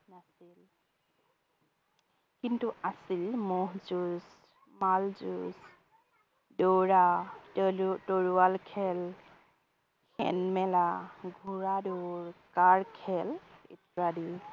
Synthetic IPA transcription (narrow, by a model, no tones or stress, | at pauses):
nasil | kintuasilmɔɦzuz | malzuz | doɹa | toɹualkʰɛl | xɛ̰nmɛlaɡʱuɹaduɹkaɹkʰɛlḭtɹadiw